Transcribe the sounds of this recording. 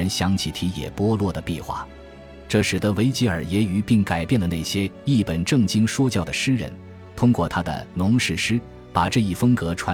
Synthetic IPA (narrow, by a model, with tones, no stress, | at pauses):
ə˧˥nɕjɑ˧˥ŋt͡ɕʰi˧˥t̪ʰi˧˥jɛ̰˨˩pwɔ˥lwɔ˥˩d̪ə˩pi˥˧xwa̰˥˩ | ʈ͡ʂɤ˥˩ʂɻ̩˨˩d̪ə˧˦we˧˥ɪt͡ɕi˧˥ə˞˨˩jɛ˧˥y˧˥pi˥˩ŋka˨˩ɪpjɛ˥˩nd̪ə˩ne˥˩ɕjɛ˥i˥˩pə˨˩nʈ͡ʂɤ˥˩ŋt͡ɕi˥ŋʂwɔ˥t͡ɕjɑ˥˩ʊd̪ə˩ʂɻ̩˥ɻə̰˧˥n | t̪ʰʊ˥ŋkwɔ˥˩t̪ʰa˥d̪ə̰˨nʊ˧˥ŋʂɻ̩˥˩ʂɻ̩˥ | pa˨˩ʈ͡ʂɤ˥˧i˥˩fə˥ŋkɤ˧˥ʈ͡ʂʰwa˧˥